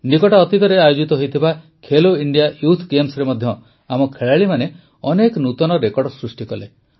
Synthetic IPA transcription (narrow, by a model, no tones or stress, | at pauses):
nikɔʈɔːt̪it̪ɔɾeajod͡ʒit̪ɔɦojt̪ʰiba | kʰeloiɳɖijajut̪ʰɡemsɔɾemɔd̪ʱjɔ | amɔkʰeɭaɭimane | ɔnekɔnut̪ɔnɔɾekɔɽɖɔsɾusʈikɔle